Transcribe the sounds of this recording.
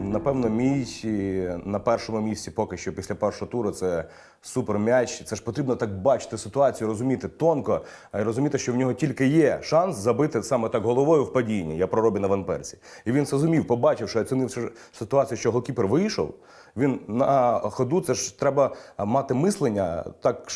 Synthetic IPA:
nɐpɛwnɔmʲitʲinɐpɛrʃɔmʊmʲisʲt͡sʲipɔkɪʃt͡ʃɔpʲisʲlʲɐpɛrʃɔɦɔt̪uɾʊt̪sɛ | supermʲat͡ʃʲt̪sɛʐpɔt̪ɾʲibnɔt̪ɑk̚bɑt͡ʃɪ̥t̪ɪsɪt̪ʊɑt͡sʲijʊɾɔzʊmʲit̪ɪt̪ɔnkɔ | iɾɔzʊmʲit̪ɪʃt͡ʃɔwnʲɔɦɔtʲilʲkɪjɛʃɑnszɐbɪt̪ɪsɑmɛt̪ɑkɦɔlˠɔʋɔjʊwpɐdʲinʲːɐjapɾɔɾɔbʲɪnɐʋɐnpɛ̰rt͡sʲi̥iʋʲinzɾɔzʊmʲiwpɔbɑt͡ʃɪwʃɔɐsʲɪnɪwsɛsɪt̪ʊɑt͡sʲijɐʃt͡ʃɔɦɔlˠkʲipɛrʋɪjʃɔ̰w | ʋʲinnɐxɔd̪ut̪sɛʒt̪ɾɛbɐmɑt̪ɪmɪslˠenʲːɐ̰t̪ɑk

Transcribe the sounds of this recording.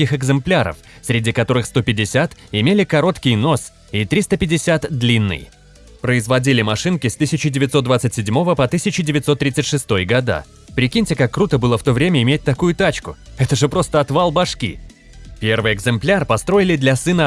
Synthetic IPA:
ɪxɨɡzɨmplʲaɾə̰fsʲɾʲɪdʲikɐt̪o̞ɾɨxst̪o̞pʲɪdʲɪsʲat̪ | ɪmʲelʲɪkɐɾo̞t̪kʲɪjno̞s | it̪ɾʲist̪əpʲɪdʲɪsʲat̪d̪lʲinːɨ̰j | pɾəɪzvɐdʲilʲɪmɐʂɨnkʲɪst̪ɨsʲɪt͡ɕɪdʲɪvʲɪt̪sod̪vat̪sɨtʲsʲɪdʲmo̞vəpɐt̪ɨsʲɪt͡ɕɪdʲɪvʲɪt̪so̞t̪ːɾʲit̪sɨtʲʂɨst̪o̞jɡɐd̪a̰ | pɾʲɪkʲinʲtʲɪkakːɾut̪əbɨlˠəft̪o̞vɾʲemʲəɪmʲet̚ʲt̪ɐkujʊt̪at͡ɕkʊɛt̪əʐɨpɾo̞st̪əɐt̪valˠbɐʂkʲḭ | pʲe̞rvɨjɛɡzɨmplʲarpɐst̪ɾo̞ɪlʲɪd̪lʲɐsɨnə

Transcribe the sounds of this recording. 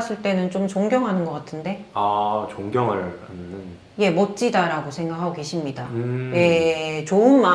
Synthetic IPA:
s͈ʰɯɭt͈e̞nɯnt͡ɕomt͡ɕoŋɡjʌŋɦanɯnɡʌk͈atʰɯnde̞at͡ɕoŋɡjʌŋɯɭannɯn | je̞mʌt͡ɕ͈idaɾaɡosʰe̞ŋɡakʰaɡoke̞ɕʰimɲidaje̞t͡ɕoɯnma

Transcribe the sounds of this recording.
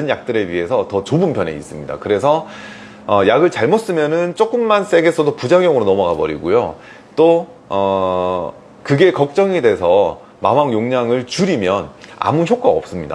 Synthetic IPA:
ɯnjak̚t͈ɯɾɯɥiɦe̞sʰʌtʌt͡ɕobɯmpʰjʌne̞̰ḭs͈ɯmɲida̰kɯɾe̞sʰʌ | ʌjaɡɯɭt͡ɕaɭmos͈ɯmjʌnɯnt͡ɕ͈ok͈ɯmːans͈e̞ɡe̞sʰʌdopud͡ʑaŋjʌŋɯɾonʌmʌɡabʌɾḭɡujo | t͈o | ʌ | kɯɡe̞kʌk̚t͡ɕ͈ʌŋede̞sʰʌ | mamaŋjoŋɲaŋɯɭt͡ɕuɾimjʌna̰muçjok͈aʌp̚s͈ɯmɲida̰

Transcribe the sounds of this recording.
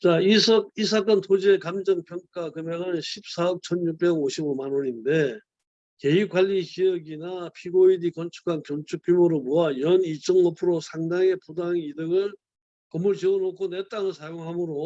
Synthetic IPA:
t͡ɕaisʰʌis̬ʰak͈ʌntʰod͡ʑekamd͡ʑʌŋpʰjʌŋk͈akɯmʌŋɯnɕʰip̚s͈aʌk̚t͡ɕʰʌnjuk̚p͈e̞ɡoɕʰibomanoɾinde̞ | ke̞ikwaʎːiçiʌɡinapʰiɡoidikʌnt͡ɕʰu̥kʰanpjont͡ɕʰuk͈̚jumoɾɯɭmoajʌnit͡ɕ͈ʌŋnʌpʰɯɾosʰaŋdaŋe̞pudaŋidɯɡɯɭ | kʌmːuɭt͡ɕiʌnokʰonet͈aŋɯɭsʰajoŋɦamɯɾo

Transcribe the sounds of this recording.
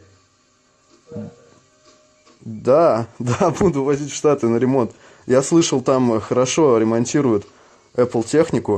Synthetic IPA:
d̪ad̪abud̪ʊvɐzʲitʲfʂt̪at̪ɨnəɾʲɪmo̞nt̪ | jaslˠɨʂəlˠt̪amxəɾɐʂo̞ɾʲɪmɐnʲtʲiɾʊjʊt̪ | ɛplˠtʲe̞xnʲɪkʊ

